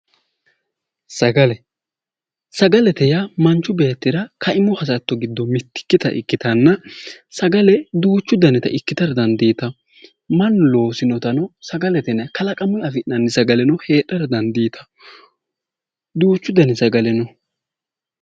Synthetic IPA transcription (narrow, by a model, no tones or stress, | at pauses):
sɐɡɐlɛ | sɐɡɐlɛt̪ɛjɐmɐnt͡ʃːʊbe̞ːt̪ːɪɾɐkʰɐʔɪmɔhɐsɐt̪ːɔɡɪd̪ːɔmɪt̪ːɪ̥kːɪt̪ɐ̰ʔɪ̰kːɪt̪ɐnːɐ | sɐɡɐlɛd̪uːt͡ʃːʊd̪ɐnɛt̪ɐʔɪkːɪt̪ɐɾd̪ɐnd̪iːt̪ɐ | mɐnlo̞ːsɪnɔt̪ɐnɔsɐɡɐlɛt̪ɛnɛkɐlɐkʼɐmʊjɐfɪʔnɐnːɪsɐɡɐlɛnɔhe̞ːᶑɐɾd̪ɐnd̪iːt̪ʰɐ̥ | d̪uːt͡ʃːʊd̪ɐnɛsɐɡɐlɛnɔ